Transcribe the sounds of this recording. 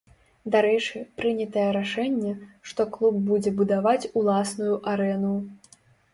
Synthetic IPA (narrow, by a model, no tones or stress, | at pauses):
d̪aɾɛt͡ʂɨpɾɨnʲɐt̪ɐjɛɾaʂɛnʲːɛʂt̪ɔklˠub̚ːud͡zʲɛbud̪avat͡sʲulˠasnujuʔaɾɛnu